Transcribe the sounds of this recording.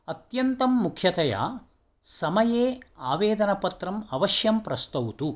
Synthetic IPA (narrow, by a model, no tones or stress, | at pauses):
ɐt̪jɐnt̪ɐmːukʰjɐt̪ɐja̰ː | sɐmɐjeːaːʋeːd̪ɐnɐpɐt̪ɾɐmɐʋɐʃjɐmpɾɐst̪ɐʋut̪u